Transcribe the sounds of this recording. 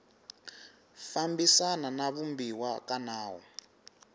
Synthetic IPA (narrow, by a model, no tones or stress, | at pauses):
fambisananaβumbiwakanaːwɔ̰